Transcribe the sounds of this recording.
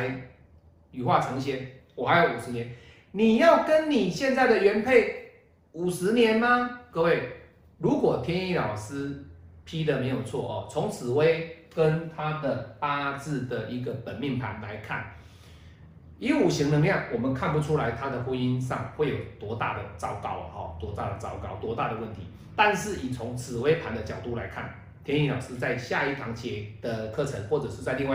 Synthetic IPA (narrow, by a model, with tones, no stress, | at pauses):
ɪ | y˨xwa˥˩t͡sʰɑ˧˦ŋɕjɛ˧˦nwɔ˨˩ha˧˥ɪjo˧˩ʊu˨˩ʂɻ̩˧˦njɛ˧˦n | ni˨˩jɑ˥˩ʊkə˦nni˨˩ɕjɛ˥˧nt͡sa˥˩ɪd̪ə˨ɥɛ˧˥npʰe˥˩ɪ | u˨˩ʂɻ̩˧˦njɛ˨˦nma˦kə˥˧we˥˩ɪ | ɻu˨˥kwɔ˨˩t̪ʰjɛ˥˦˥ni˥˩lɑ˨˩ʊsɹ̩˦pʰi˦d̪ə˨me˧˥ɪjo˨˩ʊt͡sʰwɔ̰˥˩ʔɔ̰˨˩t͡sʰo˧˦ŋt͡sʰɹ̩˨˩we˥ɪkə˦nt̪ʰa˦d̪ə˨pa˦˥t͡sɹ̩˥˩d̪ə˩ʔi˧˥ɡə˨pə˨˩nmi˥˩ŋpʰa̰˨˦nla̰˧˦ɪkʰa̰˥˩n | i˧˥u˨˩ɕi˧˥ŋnə˧ŋljɑ˥˩ŋwɔ˨˩mə˨nkʰa˥˩npu˧˦ʈ͡ʂʰu˥la˧˦ɪt̪ʰa˥d̪ə˨xwə˦ni˦˥nʂ̬ɑ˥˨ŋxwe˥˩ɪjo˨˩ʊt̪wɔ˧˥t̪a̰˥˩d̪ə̰˩ʈ͡ʂɑ˥˩ʊkɑ˥˩ʊ˨ɔ̰˨˩t̪wɔ˧˥t̪a̰˥˩d̪ə˨˩t͡sɑ˥˩ʊkɑ˥˩ʊt̪wɔ˧˥t̪a˥˩d̪ə˩wə˥˩nt̪ʰi˨˦ | t̪a˥˧nʂɻ̩˥˩i˨˩t͡sʰʊ˧˥ŋt͡sʰɹ̩˨˩we˥˦ɪpʰa˧˦nd̪ə˨t͡ɕjɑ˨˩ʊt̪u˥˩la̰˧˦ɪkʰa̰˥˩n | t̪ʰjɛ˥ni˥lɑ˨˩ʊsɹ̩˦˥t͡sa˥˧ɪɕja˥˧i˥˩t̪ʰɑ˧˦ŋt͡ɕʰjɛ˨˧˩d̪̥ə˨kʰɤ˥˩t͡sʰə˧˦ŋxwɔ˥˩t͡sɤ˨˩ʂɻ̩˥˧t͡sa˥˧ɪli˥˧ŋwa˥˧